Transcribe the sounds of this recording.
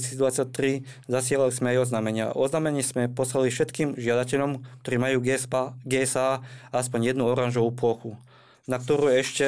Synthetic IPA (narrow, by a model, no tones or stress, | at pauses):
siːzd̪ʋat͡sːat̪ɾi | zasɪalalizmɛajɔznamɛɲɪa̰ɔznaːmɛɲɛsmɛpɔslalifʃɛt̪kiːmʒɪad̪acɛʎɔmk̚t̪ɔɾiːmajuːɡɛɛsaːaspɔɲjɛd̪nuɔɾanʒɔʋuːpʊɔxu | nak̚t̪ɔɾuːɛʃcɛ